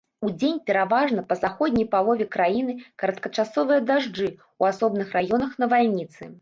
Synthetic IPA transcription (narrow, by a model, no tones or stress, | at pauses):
ud͡zʲenʲpʲɛɾavaʐnɐpɐzaxɔd̪ʲnʲɐjpalˠɔvʲɛkɾajinɨkɐɾɐt̪kɐt͡ʂasɔvɨjɐd̪aʐd͡ʐɨ | uasɔbnɨxɾajɔnɐxnɐvalʲnʲit̪sɨ̰